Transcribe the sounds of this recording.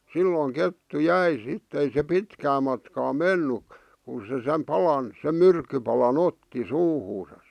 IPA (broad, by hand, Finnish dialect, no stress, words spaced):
silːoˑĭŋ ketːu jæi sitːĕ ei se pitkæː mɑtkɑː menːy kun̞ se sem pɑlɑn sem myrkːypɑlɑn otːi suːhuːsɑs